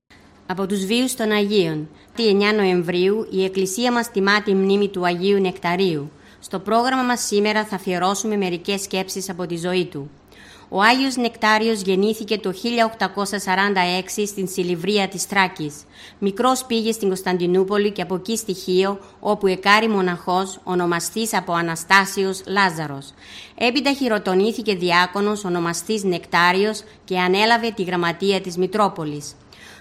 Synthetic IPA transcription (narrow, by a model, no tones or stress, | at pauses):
ɐpo̞t̪uzviust̪o̞nɐʝio̞n | t̪ie̞ɲɐno̞e̞ɱvɾiuie̞klisiɐmɐst̪imɐt̪imnimit̪uɐʝiune̞kt̪ɐɾiu | st̪o̞pɾo̞ɣɾɐmɐmɐsːime̞ɾɐθɐfieɾo̞sume̞me̞ɾice̞sce̞psisɐpo̞t̪izo̞it̪u | o̞ɐʝio̞zne̞kt̪ɐɾio̞zʝe̞niθice̞t̪o̞çiʎɐo̞kt̪ɐko̞sɐsɐɾɐnd̪ɐe̞ksist̪insilivɾiɐt̪ist̪ɾɐcis | mikɾo̞spiʝe̞st̪iŋɡo̞st̪ɐnd̪inupo̞lice̞ɐpo̞cist̪içio̞ | o̞pue̞kɐɾimo̞nɐxo̞so̞no̞mɐst̪isɐpo̞ɐnɐst̪ɐsio̞slɐzɐɾo̞s | e̞pid̪ɐçiɾo̞t̪o̞niθice̞ðiɐko̞no̞so̞no̞mɐst̪izne̞kt̪ɐɾio̞s | ce̞ɐne̞lɐve̞t̪iɣɾɐmɐt̪iɐt̪izmit̪ɾo̞po̞lis